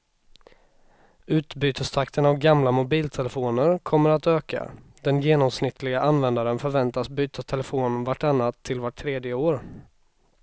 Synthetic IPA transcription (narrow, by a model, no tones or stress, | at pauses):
ʉ̟ːt̪byːt̪əst̪ʰakt̪ʰənavɡamlamʊbiːlt̪ʰɛlɛfoːnəɾkʰɔmːəɾat̪øːka̰ | d̪̥ɛnjeːnɔmsnɪt̪ʰːlɪɡaʔanvɛnd̪aɾənfœɾvɛnt̪asbyːt̪ast̪ʰɛlɛfoːnvaʈːanːat̪ʰːɪlvaʈʰːɾeːd̪jəoːɾ